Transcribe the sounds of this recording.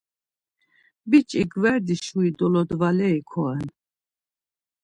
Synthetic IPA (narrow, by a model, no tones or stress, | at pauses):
bit͡ʃʼiɡvɛɾd̪iʃuid̪ɔlɔd̪valɛikʰɔɛn